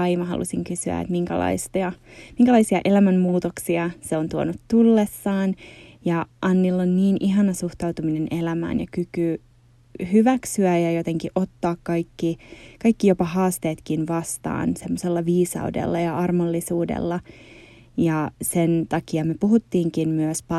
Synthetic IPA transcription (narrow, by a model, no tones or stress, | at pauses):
ɑimɑɦɑ̰lʔṵsiŋkysyæ̰ḛt̪miŋkæ̰lɑ̰ist̪oɑmiŋkælɑisiɑʔe̞læmæmmuːt̪oksiɑseont̪uonut̪tulːesːɑːnjɑʔɑnːilːonniːnʔiɦɑnɑsuht̪ɑut̪uminenʔe̞læmæ̰ːnjɑ̰kyky | hyʋæksyæjɑjot̪eŋkiʔo̞t̪ːɑːkkɑikːikɑikːijopɑhɑːst̪eːt̪kinʋɑst̪ɑ̰ːnsemːoselːɑʋiːsɑ̰udḛlːɑjɑɑrmolːisuːdḛlːɑ | jɑsent̪ɑkiɑmøpuɦut̪ːiːŋkinmyøspɑ